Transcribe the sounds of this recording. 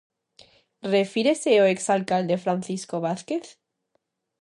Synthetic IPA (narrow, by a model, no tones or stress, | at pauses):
refiɾeseoeksalkald̪e̞fɾanθiskoβ̞aθkeθ